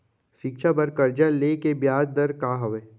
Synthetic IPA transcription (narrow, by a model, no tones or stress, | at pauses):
ʃɪkʃʰabɐɾkɐɾd͡ʒaleːkebjaːd͡ʒd̪ɐɾkaːɦɐʋeː